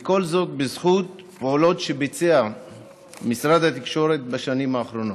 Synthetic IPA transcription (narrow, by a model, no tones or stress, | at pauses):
eko̞lzo̞t̪̚bezχut̪ | poolo̞t̪ʃebet͡sea | misɾad̪hat̪ikʃo̞ɾe̞t̪̚baʃanimhaːχɾo̞no